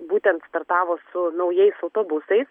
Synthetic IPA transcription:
buːt̪ʲɛnt̪st̪ɐɾt̪ɑːʋoːsʊnɐʊjɛɪsɐʊt̪oːbʊsɐɪs

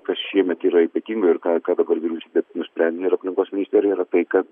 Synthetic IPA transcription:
kɐsʃʲiɛmʲɛt̪iːɾɐipʲɐt̪ʲiːŋɡoɪɾkɑːkɑːd̪ɐbɐɾʋʲiɾʲuːsʲiːbʲɛnʊsʲpʲɾʲɛnʲd̪ʲɪɪɾɐpʲlʲɪŋkoːsʲmʲɪnʲɪsʲt̪ʲeːɾʲjiɾɐt̪ɐɪkɐt̪

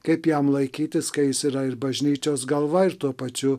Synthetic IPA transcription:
kɐɪpjæmlˠɐɪkʲiːt̪ʲɪskɐɪjɪsiːɾɐɪɾbɐʒʲnʲiːt͡ʃʲoːsɡɐlˠʋɐɪɾt̪uɔpɐt͡ʃʲʊ

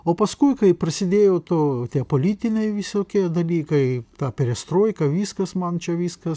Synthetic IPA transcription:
oːpɐskuɪkɐɪpɾɐsʲɪd̪ʲeːjoːt̪oːt̪ʲiɛpoːlʲiːt̪ʲɪnʲɛɪʋʲɪsoːkʲiɛd̪ɐlʲiːkɐɪt̪ɑːpʲɪɾʲɛst̪ɾoːjkɐʋʲiːskɐsmɐnt͡ʃʲɛʋʲiːskɐs

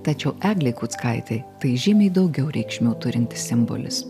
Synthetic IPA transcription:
t̪ɐt͡ʃʲɛʊʔæːɡlʲɛɪkuːt̪skɐɪt̪ʲɛɪt̪ɐɪʒʲɪmʲɛɪd̪ɐʊɡʲɛʊɾʲɛɪkʃʲmʲuːt̪ʊɾʲɪnʲt̪ʲɪ̥sʲɪmbo̰ːlʲɪ̰s

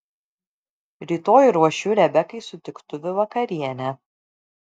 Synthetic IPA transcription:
ɾʲiːt̪oːjuɾuɔʃʲuːɾʲɛbʲɛkɐɪsʊt̪ʲɪkt̪ʊʋʲɪʋɐkɐɾʲiɛnʲɛ

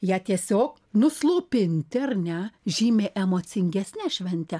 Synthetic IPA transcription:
jæːt̪ʲiɛsʲoːk | nʊslˠoːpʲɪnʲt̪ʲɪɐɾnʲɛʒʲiːmʲeːʔɛmoːt̪sʲɪŋʲɡʲɛsʲnʲæʃʲʋʲɛnʲt̪ʲɛ

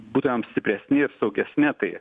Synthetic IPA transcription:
buːt̪ojʲɛmsʲt̪ʲɪpʲɾʲɛsʲnʲɪɾsɐʊɡʲɛsʲnʲɪt̪ɐɪ

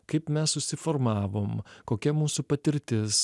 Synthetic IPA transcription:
kɐɪpmʲɛssʊsʲɪfɔɾmɑːʋoːmkoːkʲɛmuːsupɐt̪ʲɪɾʲt̪ʲɪs

